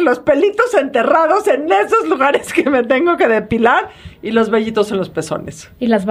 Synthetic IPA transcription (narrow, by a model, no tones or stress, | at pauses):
lo̞spe̞lit̪o̞se̞nt̪e̞raðo̞se̞ne̞so̞zluɣaɾe̞skeme̞t̪̬e̞ŋɡo̞ke̞ðe̞pilaɾilo̞zβeʝit̪o̞sonlo̞spe̞so̞̰ne̞̰silaz